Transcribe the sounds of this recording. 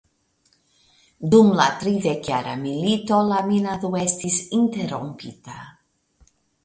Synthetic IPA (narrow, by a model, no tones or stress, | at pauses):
d̪umlat̪ɾiðekjaɾa̰milit̪olaminaðuest̪isint̪eɾo̰mpit̪a